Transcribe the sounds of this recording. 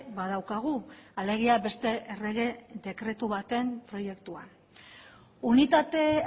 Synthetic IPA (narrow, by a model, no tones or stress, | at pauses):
βað̞awkaɣ̞uale̞ɣ̞iabe̞st̪e̞ʔere̞ɣ̞e̞d̪e̞kɾe̞t̪uβat̪e̞mpɾo̞je̞kt̪ua | unit̪at̪e̞